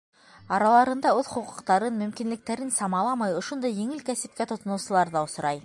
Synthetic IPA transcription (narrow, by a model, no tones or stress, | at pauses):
ɑɾɑlˠɑɾɤ̆nd̪ɑʉðχŭqŭ̥qt̪ɑɾɤnmɵ̆mkinlɘ̆k̚t̪æɾɘnsɑmɑlˠɑmɑjŏʃond̪ɑjːĭŋɘlkæsɘ̆p̚kæt̪ŏt̪ŏnɤ̆wsɤ̆lˠɑɾðɑŏs̆ɾɑj